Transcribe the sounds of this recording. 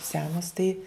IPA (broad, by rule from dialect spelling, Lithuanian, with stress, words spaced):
ˈsʲæːnoːs tɐɪ